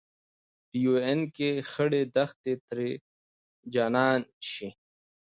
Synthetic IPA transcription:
ʈijuenkexɐɽed̪ɐxt̪et̪ɾe | d͡ʑaːnaːnɕi

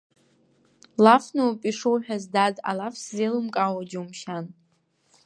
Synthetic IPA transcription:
lafnuwpʼiʂuwħᶣazdada̰lafszelɨmkʼawad͡ʒuumʃan

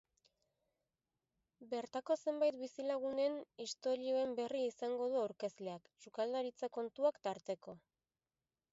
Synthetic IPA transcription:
be̞ɾt̪ako̞se̞mbajt̪bisilaɣ̞une̞nist̪o̞ɾio̞e̞mbe̞riisaŋɡo̞ð̞uawɾke̞zle̞akʃukald̪aɾit͡sako̞nt̪uakt̪aɾt̪e̞ko̞

